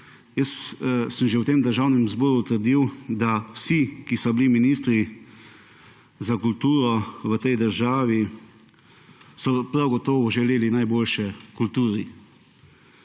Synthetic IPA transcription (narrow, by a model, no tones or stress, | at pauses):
jəssəmʒewt̪eːmd̪əɾʒaːwnɛmzbɔːɾut̪əɾd̪iwd̪awsikisɔbiliminiːst̪ɾi | zakult̪uːɾɔʋət̪ɛjd̪əɾʒaːʋi | sɔpɾawɡɔt̪ɔːʋɔʒɛleːlinajboːlʃɛkult̪uːɾi